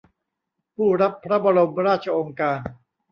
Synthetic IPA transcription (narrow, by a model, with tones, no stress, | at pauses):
pʰuː˥˩ɾa˦˥pʰːɾa˦˥ba˧ɾo˧mɾaː˥˩t̪̚t͡ɕʰa˧ʔoː˧ŋkaː˧n